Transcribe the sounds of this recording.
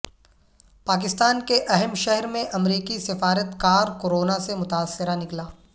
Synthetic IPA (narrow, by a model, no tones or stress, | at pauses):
paːk̬ɪst̪aːnkeʔɛɦɛmʃɛɦɛɾmẽʔɐmɾiːkisɪfaːɾət̪kaːɾkoɾoːnasemʊt̪aːsːɪɾanɪklaː